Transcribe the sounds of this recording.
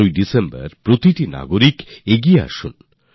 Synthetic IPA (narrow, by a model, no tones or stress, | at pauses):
ujɖisembɐ̰ɾpɾot̪iʈina̰ɡoɾikeɡiea̰ʃun